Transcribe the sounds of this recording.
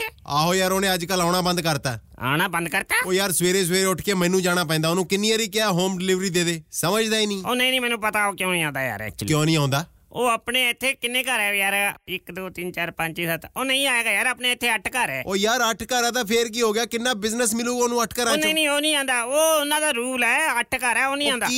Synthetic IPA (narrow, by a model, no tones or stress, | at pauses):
aːɦoːjaːɾoːnẽːəd͡ʒkəlaːɽ̃aːbə̃nd̪kəɾt̪aːa̰ːnaːbənd̪kəɾt̪aːoːjaːɾsʋeːɾeːs̬ʋeːɾeːʊʈʰkeːmɛ̃ːnũːd͡ʒaːɽ̃aːp̬ɛ̃ːnd̪aːoːnũːkɪnːiːaːɾiːkɪaːɦoːmɖɪlɪːʋɾiːd̪eːd̪eːsəməd͡ʒd̪aːiːnĩːoːnãĩːnĩmɛːnũːpət̪aːoːkjõːnĩːãːnd̪aːja̰ːɾɛ̰ːk̚t͡ʃlkjõːnĩːaːnd̪aː | oːaːpɳeːɪt̪ʰːeːkɪnːẽːkəɾɛːojaːɾɪkd̪oːt̪ɪnt͡ʃaːɾpə̃ɲt͡ʃiːsət̪oːnəĩːaːeːɡaːjaːɾaːpneːɪt̪ʰːeːəʈʰkəɾɛːoːjaːɾəʈʰkəɾaːt̪̬aːpʰeɾk̬iːɦoːɡɪjaːkɪnːaːbɪznəsmɪluːoːnũːəʈʰkəɾanːnĩːoːnĩːãːnd̪aːoːʊnãːd̪aːɾuːlɛːəʈʰkəɾɛːoːnĩːãːndaːi